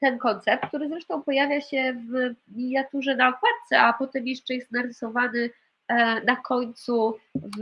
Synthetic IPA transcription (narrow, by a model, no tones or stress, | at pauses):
t̪ɛnkɔnt̪sɛp̚t̪̚k̚t̪uɾɘzɾɛʂt̪ɔ̃w̃pɔjavʲjaɕɛvmʲiɲat̪uʐɛnaɔkwat̪̚t̪sɛapɔt̪ɛmjɛʂt͡ʂɛjɛst̪naɾɘsɔvanɘ | nakʰɔɲt̪suv